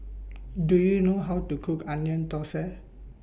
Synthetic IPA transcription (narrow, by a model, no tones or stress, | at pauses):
dujinoɦawtukʰukanjɔntɔsɛ